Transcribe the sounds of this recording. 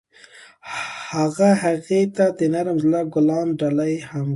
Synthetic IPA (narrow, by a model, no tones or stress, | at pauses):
haɣahaɣet̪ad̪ənaɾəmzlaɡʊlɑnɖalajham